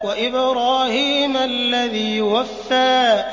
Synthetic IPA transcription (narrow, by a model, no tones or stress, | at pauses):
waʔɪbɾaːhiːmalːaðiːwafːaː